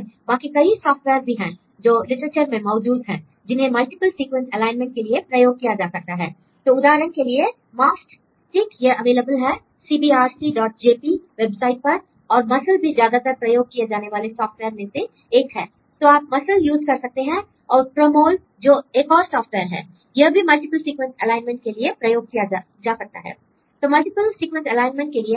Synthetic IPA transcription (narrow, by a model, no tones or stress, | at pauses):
bãːkikɐisɔːfʈʋɛːɾbʱiɦɛ̃ː | d͡ʒoːlɪʈɾət͡ʃəɾmẽmɔːd͡ʒuːd̪ʱɦɛ̰̃ː | d͡ʒɪnɦẽmɐlʈɪpəlsiːkwə̃nsɛlaːɪnmɛ̃ɳʈ̚keliepɾɐjoːɡ̚kijad͡ʒaːsɐk̚t̪aɦɛ̰ː | t̪oːʊd̪aːɾəñkelie | maːsʈ | ʈɪkjeʔɐʋeːləbəlɦɛ | siːbiːaːɾsiɖɔːʈ̚d͡ʒeːpiʋeːbsaːɪʈ̚pɐɾ | ɔːɾmɐsəlbʱizjaːd̪at̪ɐɾpɾɐjoːɡ̚kijed͡ʒaːneʋaːlesɔːfʈʋɛːəɾmẽse | eːkɦɛ̰ː | t̪oːaːp̚mɐsəljuːzkɐɾsɐk̚t̪eɦɛ̃ | ɔːɾpɾomoːl | d͡ʒoːeːkɔːɾsɔːfʈʋɛːəɾɦɛ̰ː | jɐɦbʱimɐlʈɪpəlsiːkwə̃nsɛlaːɪnmẽɳʈ̚keliepɾɐjoːɡ̚kija | d͡ʒaːsɐk̚t̪a̰ɦɛ̰ː | t̪oːmɐlʈɪpəlsiːkwə̃nsɛlaːɪnmə̃ɳʈ̚kelie